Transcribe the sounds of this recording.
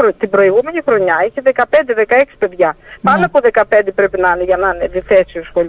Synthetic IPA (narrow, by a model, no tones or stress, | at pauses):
ot̪ibɾo̞iɣume̞nixɾo̞ɲɐiçeðe̞kɐpe̞nd̪e̞ðe̞kɐe̞ksi̥pe̞ðʝɐpɐnoɐpoðe̞kɐpe̞nd̪e̞pɾe̞pinɐneʝɐnɐneðiθe̞siosxo̞